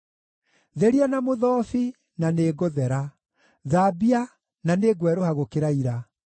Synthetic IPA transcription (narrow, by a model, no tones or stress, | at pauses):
ðeɾianamoðɔfi | naneːɣoðɛɾa | ðaːbia | naneɡwɛɾohaɣokeɾaiɾa